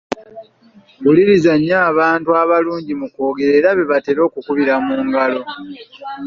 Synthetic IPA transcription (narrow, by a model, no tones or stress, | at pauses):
wuliɾizaɲːaːβaːntuaβaluːɲɟimuko̞ːɡe̞ɾe̞ɾaβe̞βate̞ɾo̞ːkukuβiɾamuːŋɡalo̞